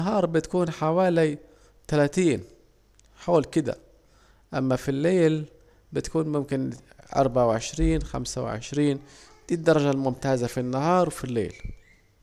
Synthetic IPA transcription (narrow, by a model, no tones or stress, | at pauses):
naɦɑːɾˤbɪt̪kuːnħawaːli | t̪alaːt̪iːn | ħoːlkɪd̪a̰ | ʔamːafilːeːl | bɪt̪kuːnmʊmkɪnʔɑ̰ɾˤbaʕawʕɪʃɾiːnxa̰msa̰wʕɪ̰ʃɾiːn | d̪iːd̪ːɑɾˤɑʒalmʊmt̪aːzafinːahɑːɾˤwfilːḛːl